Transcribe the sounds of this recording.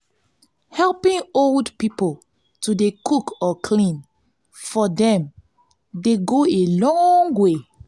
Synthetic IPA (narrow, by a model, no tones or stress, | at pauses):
hɛlpĩŋoldpipo | tudekʰukɔkʰlĩn | fɔdɛ̃m | deɡoelɔ̃ŋŋwe